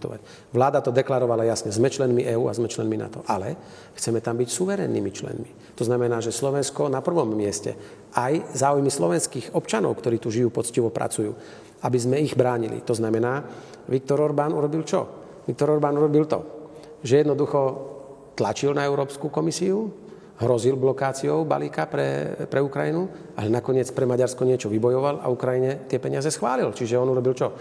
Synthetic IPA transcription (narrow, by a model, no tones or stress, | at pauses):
t̪ɔ̰ʋa̰ | ʋlaːd̪at̪ɔd̪ɛklaɾɔʋalajasɲɛzmɛt͡ʃlɛnmiʔɛːuːa̰zmɛt͡ʃlɛnmina̰t̪ɔʔalɛ | xt͡sɛmɛt̪ambicsuʋɛɾɛ̰nːḭmit͡ʃlɛ̰nmi | t̪ɔznamɛnaːʒɛslɔʋɛnskɔnapr̩ʋɔmːɪɛscɛ̰ | ajzaːujmislɔʋɛnskiːɣɔpt͡ʃanɔ̰ʊkt̪ɔɾiːt̪uʒijuːpɔt͡sciʋɔpɾʔa̰t͡sujṵː | abizmɛiɣbɾaːɲilḭt̪ɔznamɛnaː | ʋik̚t̪ɔɾɔɾbaːnuɾɔbilt͡ʃɔ̰ | ʋik̚t̪ɔɾɔɾbaːnuɾɔbilt̪ɔ̰ | ʒɛjɛd̪nɔd̪uxɔ | t̪lat͡ʃilnaɛʊɾɔːpskukɔmisiu | ɦɾɔzilblɔkaːt͡siɔʊba̰liːkapɾɛ̰pɾɛukɾajinu | alɛnakɔɲɪɛt͡spɾɛmaɟaɾskɔɲɪɛt͡ʃɔʋibɔjɔʋala̰ukɾajiɲɛt̪ɪɛpɛɲɪazɛsxʋa̰ːlilt͡ʃiʒɛɔnuɾɔbilt͡ʃɔ